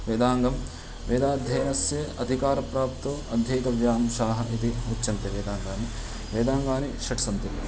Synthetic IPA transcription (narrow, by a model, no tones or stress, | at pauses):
ʋeːd̪aːŋɡɐm | ʋeːd̪aːd̪ʱjɐjnɐsjɐɐd̪ʱikaːɾɐpɾaːp̚t̪oɐd̪ʱjɐjit̪ɐʋjaːnɐmʃaːɦɐʔit̪iut͡ʃːɐnt̪eʋeːd̪aːŋɡaːni | ʋeːd̪aːŋɡaːniʃɐʈsɐnt̪i